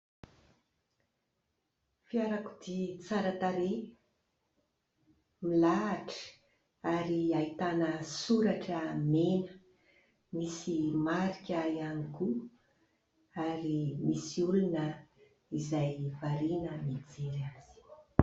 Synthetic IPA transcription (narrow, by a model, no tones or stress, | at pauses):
fiaɾakud̪it͡saɾat̪aɾe | milaːʈ͡ʂə̥ | aɾiait̪anəsuɾaʈ͡ʂəmenə̥ | misimaɾikʲajaniku | aɾimisiulunə | izajvaɾinəmid͡zeɾaz̥i̥